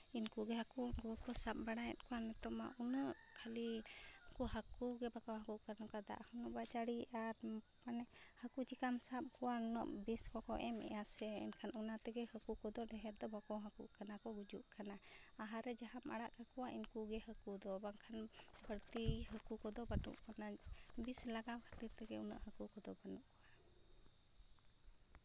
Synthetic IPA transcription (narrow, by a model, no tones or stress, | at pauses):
inkuɡɛɦakunɡuɔkɔsap̚baɽajɛt̪̚ˀkuwanɛt̪ɔma̰ʔunɔʔ | kʰali | kuɦakuɡɛbakɔɦakuʔkanɔkad̪a̰ʔhunɔʔbat͡ʃaɽiaɾ | manɛ | həkut͡ʃikamsap̚kuwanɔ̰ʔbiskɔkɔʔɛmɛ̰jasɛɛ̰mkʰanunat̪ɛɡɛhəkukɔd̪ɔlɛɦɛɾd̪ɔbakɔɦakṵʔkanakɔɡud͡ʒuʔkana | aɦaɾɛd͡ʒaɦama̰ɽaʔhəkuwaʔinkuɡɛɦəkud̪ɔbaŋkʰan | bʱəɽt̪iɦəkukɔd̪ɔbanṵʔkɔna | bislaɡakʰət̪iɾt̪ɛɡɛunɔ̰ʔhəkukɔd̪ɔbanuʔkɔwa